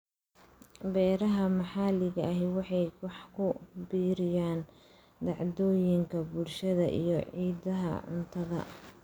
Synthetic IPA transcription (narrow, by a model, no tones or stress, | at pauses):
bɛːɾɐɦɐmɑħɑːlɪɣɐɐɦɪwɑħɑjwɑħkʰʊbiːɾɪjaːn | d̪ɑʕd̪ɔːjɪŋkʰɐbulʃɐðɐʔḭjɞʕiːdɐɦɐ̰ʕʊ̰nt̪ʰɐðɐ̰